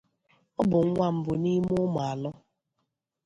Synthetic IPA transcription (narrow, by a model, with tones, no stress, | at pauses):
ɔ˦bʊ˨ŋ̩˦ŋʷa˦m̩˨bʊ˨ni˦mʊ˦mʊ˨a˨lɔ˦